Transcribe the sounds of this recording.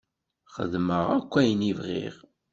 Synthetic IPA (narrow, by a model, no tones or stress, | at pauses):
χə̰ðməʁækʷːæjnivʁḭʁ